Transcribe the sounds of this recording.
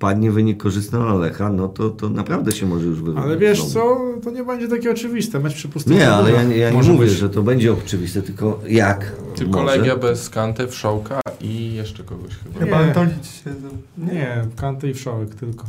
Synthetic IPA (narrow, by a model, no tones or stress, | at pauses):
pad̪ɲɛvɘɲikːɔʐɘst̪nɛɔlalɛxanɔt̪ɔt̪ɔnapɾavd̪ɛɕɛmɔʐɛjuʐvɨvalɛvʲjɛʂsɔt̪ɔɲɛbɛɲd͡ʑɛt̪akʲɛɔt͡ʂɘvʲist̪ɛmɛt͡ɕpʂɘpusɲɛalɛjaɲjaɲɛmuvjɛʐɛt̪ɔbɛɲd͡ʑɛɔt͡ʂɘvʲist̪ɛt̪ɘlkɔjak̪ɪmɔɔlʐɛɡɛjabɛskant̪ɛfʂɔwkaijɛʂt͡ʂɛkɔɡɔɕxɨbaɲat̪ɔlʲit͡ɕɕɛɲɛkant̪ɛifʂɔwɛkt̪ɘlkɔ